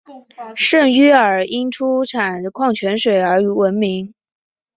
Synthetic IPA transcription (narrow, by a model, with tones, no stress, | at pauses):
ʂə˥˩ŋy˥ə˞˨˩i˥nʈ͡ʂʰu˥ʈ͡ʂʰa˨˩nkʰwɑ˥˩ŋt͡ɕʰɥɛ˧˥nʂwe˨˩ɪə˞˧˥y˧˥wə˧˥nmi˧˥ŋ